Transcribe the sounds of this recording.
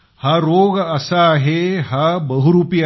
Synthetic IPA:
haɾoɡəsaːɦeɦabəɦuɾupia

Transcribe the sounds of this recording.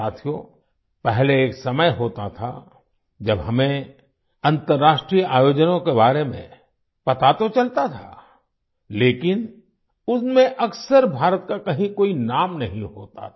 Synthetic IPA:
aːt̪ʰijo | pɛɦleːksɐməjɦoːt̪at̪ʰa̰ | d͡ʒɐbɦɐmẽ | ɐ̃nt̪əɾːaːʃʈɾijʔaːjoːd͡ʒnõkebaːɾemḛ̃ | pɐt̪at̪ot͡ʃɐlt̪at̪ʰa̰ | leːkɪn | ʊsmẽʔɐksəɾbʱaːɾət̪̚kakɐɦĩkoːinaːmnɐɦĩɦoːt̪a̰

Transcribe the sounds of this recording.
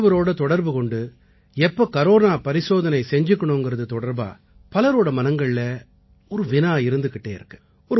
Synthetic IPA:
ʋɐɾoːɽɐt̪ɔɽɐɾbɯkɔɳɖɯ | ɛpːɐkɐɾoːɾaːpɐɾɪsoːðɐnɐɪsɛɲd͡ʒɯkːɐɳõɛŋɡɪɾɐðɯt̪ɔɽɐɾba̰ː | pɐlɐɾoːɽɐmɐnɐŋɡɐɭɪlɐ | ɔɾɯʋɪnaːɪɾɯnd̪ɯkːɪʈːeːɪɾɯkːɯ̥ | ɔɾɯ

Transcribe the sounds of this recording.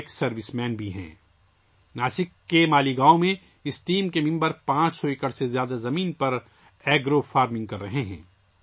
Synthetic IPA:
ksɐɾʋɪsmɛːnbʱiɦɛ̰̃ː | naːsɪkːemaːliɡaːõmẽ | ɪsʈiːmkemɪ̃mbəɾpãːt͡ʃsɔekəɽsezjaːd̪azɐmiːnpɐɾ | ɛːɡɾofaːɾmɪ̃ŋɡ̚kɐɾːɐɦeɦɛ̰̃ː

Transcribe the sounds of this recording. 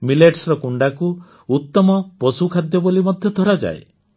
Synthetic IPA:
mileʈsɾɔkuɳɖaku | ut̪ːɔmɔpɔsukʰad̪jɔbolimɔd̪ʱjɔd̪ʱɔɾad͡ʒa̰ḛ

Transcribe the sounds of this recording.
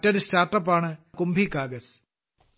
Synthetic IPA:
tːɐɾustaːrʈːɐpːaːɳɨkumbʱikaːɡɐs

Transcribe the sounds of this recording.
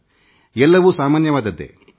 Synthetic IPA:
ɛlːɐʋuːsaːmaːnjɐʋaːd̪ɐd̪ḛ

